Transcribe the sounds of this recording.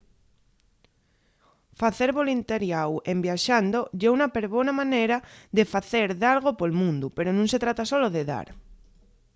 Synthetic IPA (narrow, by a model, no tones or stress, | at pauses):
faθeɾβolint̪eɾjawembjaʃand̪oʎeunapeɾβonamaneɾaðefaθeɾðalɣ̞opolmũnd̪upeɾonũŋset̪ɾat̪asoloðeða̰ɾ